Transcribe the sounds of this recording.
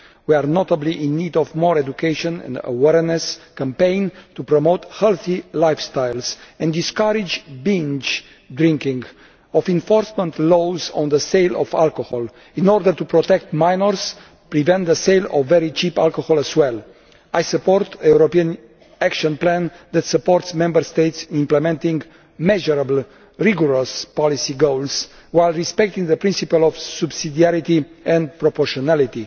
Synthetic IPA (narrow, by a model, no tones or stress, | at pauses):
wiaɾnot̪əbliʔĩnːid̪ɔvmɔɹedukʰeʃɔ̃nɛ̰̃ndə̰wɛɹnɛskə̃mpẽɪ̃nt̪upɾomoʊt̪hɛlθilajfst̪ajlzɛ̃nd̪iskaɾid͡ʒbĩnd͡ʒ | d̪ɾĩŋkĩŋɡ | ɔfĩnfɔɹsmə̃nt̪lozɔ̰̃nd̪əseɪlɔ̰va̰lkohɔl | ĩnɔɾd̪əɾt̪upɾot̪ɛk̚t̪mãjnəɹs | pɾivɛ̃nt̪̚d̪əsejlɔ̰vːɛɾit͡ʃipalkohɔləzwɛl | ajsəpɔɾt̪ʰəjuɾopiə̃n | ækʃɔ̃nplæ̃nd̪ɛt̪səpɔɾt̪smɛ̃mbəɾst̪ejt̪sĩmplɛmɛ̃nt̪ĩŋɡ | mɛʒɔɾabl | ɹiɡɔɾɔspɔlisiɡowls | wajlɹispɛk̚t̪ĩŋɡd̪əpɾĩnsipəlɔvsubsid̪iaɾit̪iɛ̃nd̪pɾopɔɾʃɔnalit̪i